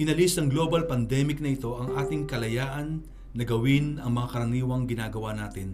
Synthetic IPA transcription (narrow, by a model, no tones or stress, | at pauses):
ʔɪnɐlisnɐŋɡlo̞ːbɐlpɐnd̪ɛmɪknɐɪt̪o̞ʔɐŋʔaːt̪ɪŋkɐlɐjaːʔɐnː | ɐɡɐwɪnɐŋmɐŋakɐɾɐniːwɐŋɡɪnaːɡɐwanaːt̪ɪn